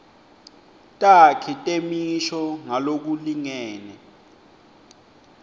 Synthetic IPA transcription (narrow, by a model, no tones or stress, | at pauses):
tʼakʰitʼemiʃɔŋalok̬uliŋɛːnɛ